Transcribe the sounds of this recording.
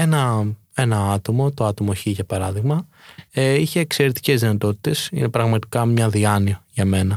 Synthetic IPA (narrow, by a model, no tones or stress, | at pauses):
e̞nɐ | e̞nɐɐt̪o̞mo̞t̪o̞ɐt̪o̞mo̞çiʝɐpɐɾɐðiɣmɐ | içe̞ːkse̞ɾe̞t̪i̥ce̞zðinɐt̪o̞t̪i̥t̪e̞sḭne̞pɾɐɣmɐt̪i̥kɐmɲɐðiɐniɐʝɐme̞nɐ